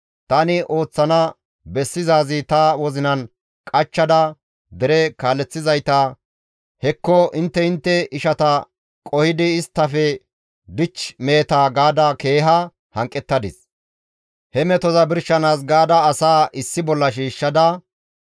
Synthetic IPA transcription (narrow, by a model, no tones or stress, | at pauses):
t̪ɐnɪʔo̞ːt͡sːɐnɐ | bɛsːɪzaːzɪt̪ɐwɔzɪnɐn | kʼɐt͡ʃːɐd̪ɐ | d̪ɛɾɛkaːlːɛt͡sːɪzɐjt̪ɐ | hɛkːɔɪnt̪ːɛɪnt̪ːɛɪʃɐt̪ɐ | kʼɔhɪd̪ɪːst̪ːɐfɛ | d̪ɪt͡ʃmeːt̪aːɡaːd̪ɐke̞ːɦɐ | hɐŋkʼːɛt̪ːɐd̪ɪs | hɛmɛt̪ɔzɐbɪɾʃɐnaːs̬ɡaːd̪ɐːsaːʔɪsːɪbɔlːɐʃiːʃːɐd̪ɐ